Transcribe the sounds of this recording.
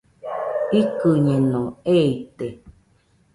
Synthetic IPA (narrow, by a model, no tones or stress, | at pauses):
ikɨɲẽnõeit̪e